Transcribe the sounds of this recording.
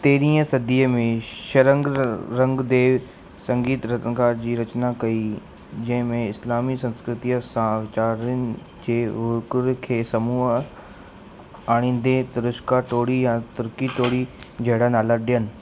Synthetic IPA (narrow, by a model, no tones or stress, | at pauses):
t̪eːɾĩːə̃sɐd̪iːəmẽʃɐɾə̃ŋɡɾɐ̃ŋɡd̪eːʋ | sɐ̃ŋɡiːt̪ɾɐt̪əɡaːɾd͡ʑiːɾɐt͡ɕnakɐi | d͡ʑɐ̃ɦɪ̃mẽɪslaːmisɐ̃nskɾɪt̪ijəsãʋɪt͡ɕaːɾənɪ̆ | d͡ʑeːʋʊɾkʊɾkʰeːsɐmuːɦ | aːɽ̃ĩːn̆d̪et̪ʊɾʊʃkaʈoːɽijãt̪ʊɾkiʈ̪oːɽid͡ʑʱɐɦɽanaːlaɗɪjənɪ̆